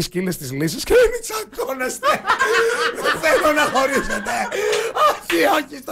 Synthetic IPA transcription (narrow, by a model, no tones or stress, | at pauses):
iscilest̪izlisisceemisɐk̪onest̪e | ðeθenonɐxo̞ɾiset̪eoçioçist̪